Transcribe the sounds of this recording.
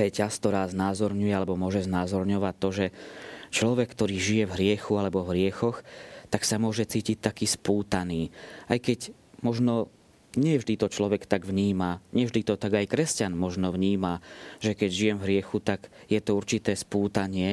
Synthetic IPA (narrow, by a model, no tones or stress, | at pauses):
ɾɛcaskt̪ɔɾaːznaːzɔɾɲujɛalɛbɔmʊɔʒɛznaːzɔɾɲɔʋat̚t̪ːɔʒɛt͡ʃlɔʋɛkːt̪ɔɾiːʒijɛvɦɾɪɛxualɛbɔvɦɾɪɛxɔxt̪aksamʊɔʒɛt͡siːcit̚t̪akiːspuːt̪aniːajkɛɟ | mɔʒnɔ | ɲɪɛvʒd̪it̪ɔt͡ʃlɔʋɛkt̪aɡvɲiːmaɲɪɛvʒd̪it̪ɔt̪aɡajkɾɛscanmɔʒnɔvɲiːmaʒɛkɛɟʒijɛmvɦɾɪɛxut̪aɡjɛt̪ɔuɾt͡ʃit̪ɛːspuːt̪aɲɪɛ